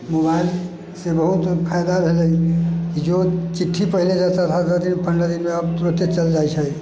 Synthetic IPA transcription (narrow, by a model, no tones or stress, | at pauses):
mobail | sebəɦut̪pʰajd̪abʱeləjkid͡ʒot͡ʃiʈʰːipəɦiled͡ʒat̪at̪ʰad̪ət̪imepʰəɳɖəɾimeəbt̪uɾot̪et͡ʃəld͡ʒajt͡ʃʰə